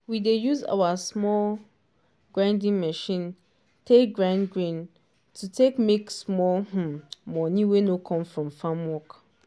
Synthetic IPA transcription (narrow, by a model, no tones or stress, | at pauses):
widejuza̰wasmɔl | ɡ̥ɹãndĩŋmɛʃĩn | tʰek̚ɡɹãnɡɹĩn | tʰutʰekmeksmɔlh̩mɔ̃nĩwenõkʰɔ̃mfɹɔ̃mfãmwɔk